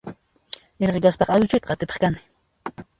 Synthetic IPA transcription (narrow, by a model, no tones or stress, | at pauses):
eɾʁɢekaspɑχawt͡ʃʊjt̪̚qɑat̪ɪpɑ̥χkanɪ̥